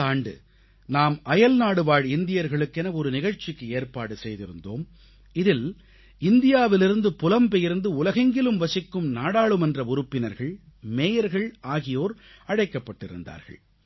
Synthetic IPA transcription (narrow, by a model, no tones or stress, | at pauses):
aːɳɖɯ̰ | naːmʔɐjɐlnaːɽɯʋaːɻɪnd̪ɪjɐɾɣɐɭɯkːɛnɐɔɾɯnɪɣɐɻt͡ʃːɪkːɯeːɾpaːɽɯsɛjðɪɾɯnd̪o̰ːm | ɪðɪl | ɪnd̪ɪjaːʋɪlɪɾɯnd̪ɯpʊlɐmpɛjɪɾnd̪ɯʊlɐɣɐŋɡɪlɯmʋɐsɪkːɯmnaːɽaːɭɯmɛndrɐʊɾɯpːɪnɐɾɣɐɭ | meːjɐɾɣɐɭʔaːɣɪjoːɾ | ɐɽɐɪkːɐpːɐʈːɪɾɯ̰nd̪a̰ːɾɣɐ̰ɭ